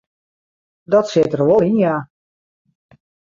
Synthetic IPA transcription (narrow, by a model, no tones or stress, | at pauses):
dɔtsɪtərʋolˠinja